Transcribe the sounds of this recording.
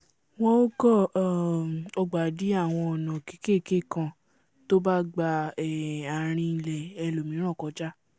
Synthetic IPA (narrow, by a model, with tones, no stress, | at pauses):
wɔ̃˦o˦ɡɔ˦˨ | ɔ˧ɡ͡ba˨di˨˦a˦˨w̃ɔ̃˧ɔ˨nã˨ke̥˨˦ke˦˨ke˦˨kã˧ | to˦ba˦ɡ͡ba˧ɛ˨a˨ɾ̃ĩ˧i˧lɛ˨ɛ˧lo˨mĩ˨˦ɾ̃ɔ̃˦˨kɔ˨˦d͡ʒa˦